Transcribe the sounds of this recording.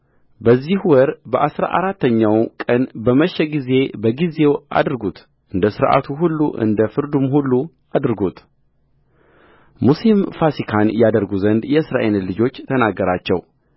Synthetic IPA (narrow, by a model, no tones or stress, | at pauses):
bəzːihwɔɾbəʔasɾa̰ʔaɾat̪ːəɲːawkʼənbəməʃːɛɡize̞bəɡize̞wʔa̰d̪ɾɡut̪ | ʔɨnd̪əsɨɾʔa̰t̪ʰuɦulːṵʔɨ̰nd̪əfɨɾd̪umɦulːu | ad̪ɾɡut̪ | musimfasikʰanjad̪əɾɡuzənd̪jɛɨsɾa̰ʔellɨd͡ʒo̞t͡ʃːt̪ʰənaɡːəɾat͡ʃːɛw